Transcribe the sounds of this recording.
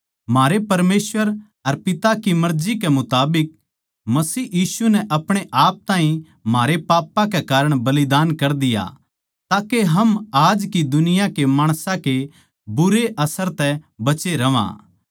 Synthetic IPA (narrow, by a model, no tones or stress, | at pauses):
maːɾepɐɾmeːsʋəɾ | ɐɾpɪt̪akimɐɾd͡ʒikemʊt̪aːbɪk̚ | mɐsiːjiːsunɛʔɐpɽ̃eʔaːp̚t̪ãːɦĩ | maːɾepaːpãkɛkaːɾəɽ̃bɐlɪd̪aːnkɐɾd̪ɪja̰ | t̪aːkeɦɐmaːd͡ʒkid̪ʊnɪjãkemaːɽ̃sãke | bʊɾeʔɐsəɾt̪ɛbɐt͡ʃeɾɐʋã̰ː